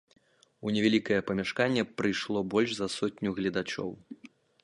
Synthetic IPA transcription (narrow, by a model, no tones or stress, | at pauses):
unʲɛvʲalʲikɐjɛpɐmʲaʂkanʲːɛpɾɨjʂlˠɔbɔlʲʂzɐsɔtʲnʲuɣlʲɛd̪at͡ʂɔ̰w